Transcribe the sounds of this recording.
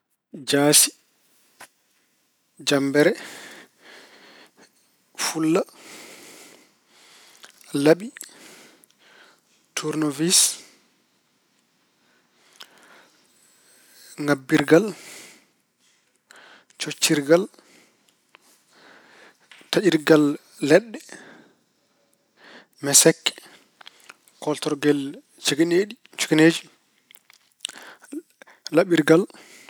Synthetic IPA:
d͡ʒaːsi̥ | d͡ʒambɛɾɛ | fulːa | laɓi | tʰuɾnovis | ŋabːiɾɡal | t͡ʃot͡ʃːiɾɡal | taʔiɾɡalː | ɛɗːɛ | mɛsɛkːɛ̥ | kɔltɔɾɡɛl | t͡ʃiɡineɗi | t͡ʃu̥kineːd͡ʒi | laɓiɾɡal

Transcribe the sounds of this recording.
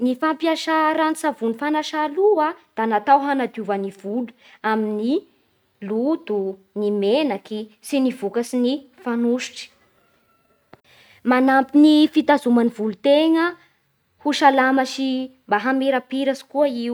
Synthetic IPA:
nifampiaʃaɾanisavunifanaʃaluad̪̥anat̪awɦanad̪iuvaniv̥ulu̥ | amini | lud̪unimenakisinivukasinifanuʃi̥ʈ͡ʂi̥ | manampinifit̪azumanivulut̪eŋə | huʃalamaʃimbaɦameɾapiɾasi̥kuaiw

